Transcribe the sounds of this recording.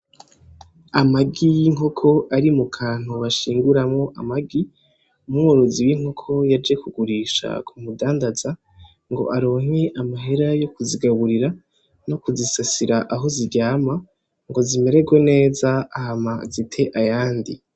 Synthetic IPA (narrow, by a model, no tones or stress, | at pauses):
amaɡijiŋɦo̞kʰo̞ʔaɾimukʰaːn̥huβaʃiːŋɡuɾamŋo̞ʔa̰maɡi | umŋoɾoziwiŋho̞kʰo̞jad͡ʒe̞kuɡuɾiʃa̰kʰumudaːndaz̥a | ŋɡo̞̰ʔaɾo̞ːŋe̞ʔamaɦe̞ɾajo̞kuziɡaβuɾiɾa | no̞kuzisasiɾaʔaɦo̞ziɾɟaːma | ŋɡo̞zime̞ɾe̞ɡwone̞ːzaahamazitʰe̞ʔajaːndḭ